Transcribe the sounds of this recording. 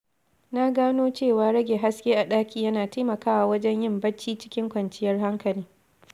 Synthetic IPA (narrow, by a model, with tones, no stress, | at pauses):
na˦ɡaː˦noː˦t͡ʃeː˦˨waː˨ɾɐ˦ɡʲeː˨ɦa˦skʲeː˦ʔa˨ɗaː˦kʲiː˦jɐ˦naː˨taː˦mɐ˨kaː˦wa˨wɐ˦d͡ʒɛ˦ɲjɪ˦mbɐ˦t͡ʃːiː˦t͡ʃɪ̥˦kʲɪ˦ŋkʷɐ˨nt͡ʃɪ˦jɐ˦rɦa˦ŋkɐ˨liː˦